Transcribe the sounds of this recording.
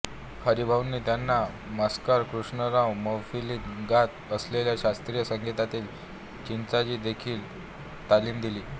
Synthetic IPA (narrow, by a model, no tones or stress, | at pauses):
kʰəɾiːbʱaʋnːiːt̪janːa | məskaɾkɾuʂɳəɾãwməfilinɡat̪əsleljaɕast̪ɾijəsəŋɡʱit̪at̪iːl | t͡ɕint͡sad͡ʑiːd̪ekʰiːl | t̪aliːmd̪iliː